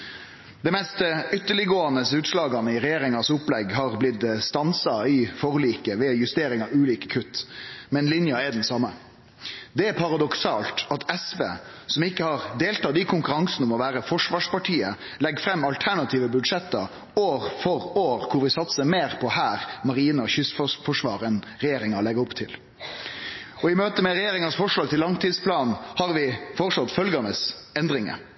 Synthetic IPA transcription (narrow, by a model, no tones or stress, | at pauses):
d̪ɛmɛst̪ʏt̪ːəɭɪɡoːɑnəsʉːt̪ʂlɑːɡɑnəɪɾɛjeːɾɪŋɑsʊplɛɡɦɑːʁblɪt̪st̪ɑnsɑɪfɔʁliːkəʋɛjʉst̪eːɾɪŋɑʉːliːkə̥kʰʉt̪ːmɛnlɪnjɑɛd̪ɛnsɑmːə | d̪ɛɛpʰɑɾɑd̪ɔksɑːlt̪ɑt̪ɛsʋḛːsɔmɪkːəhɑʁd̪eːlt̪ɑːd̪ɪkʰʊŋkʉɾɑŋsnəmɔʋæːɾəfɔʂʋɑːʂpɑʈʰiːə | lɛɡfɾɛmːɑlt̪ʰæɳɑt̪ʰiːʋəbʉd̪ʂɛt̪ːɑ̰ | oːɾfɔɾoːʁkʰʊɾʋɪsɑt̪səmeːɾpʰɔhæːɾmɑɾiːnɑçʏsfɔfɔʂʋɑ̰ːɾɛn | ɾɛjeːɾɪŋɑlɛɡəɔpt̪ʰɪl | ɔɪmøːt̪əmɛɾɛjeːɾɪŋɑsfɔʂɭɑːɡ̚t̪ʰɪlːɑŋt̪ʰiːd̪spʰlɑːnhɑɾʋɪfɔɾsɑt̪ːfœlɡɑnəsɛnd̪ɾɪŋə̰